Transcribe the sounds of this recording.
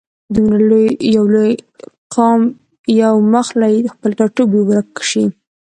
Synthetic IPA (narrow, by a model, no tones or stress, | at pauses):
d̪umɾalojjawlojqɑm | jawməxlajed̪əxpəlt̪ɑʈubewaɾakːʃi